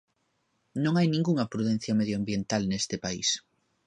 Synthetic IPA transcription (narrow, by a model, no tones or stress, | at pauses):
nõŋajnĩŋɡuŋɐpɾuðɛn̟θjɐmeðjoambjent̪alnest̪ɪpaḭs